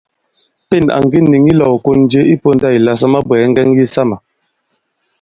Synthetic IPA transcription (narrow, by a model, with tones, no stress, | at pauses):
pe˦˨na̰˨ŋ˨ɡi˦nːi˨ŋi˦lɔ˨wko˦n˦d͡ʒe˦i˦po˦n˦da˦i˨la˨s̬a˦ma˦bwɛ˨˦ŋ̩˦ɡɛ˦ŋji˦sa˦ma˨